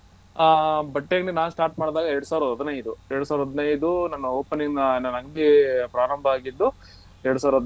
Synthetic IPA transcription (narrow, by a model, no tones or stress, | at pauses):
bɐʈːeɡɐɳinaːnusʈaːɾʈmaːɽd̪aːɡɐeɾɐɽusaːʋuɾɐɦɐd̪ɐnɐjd̪ueɾɽusaːʋɾɐɦɐd̪nɐjd̪unɐnːɐoːpɐnːinɐnɐnːɐŋɡbipɾaːɾɐmbʱɐaːɡid̪ːu | eɽusaːʋɾɐɦɐd̪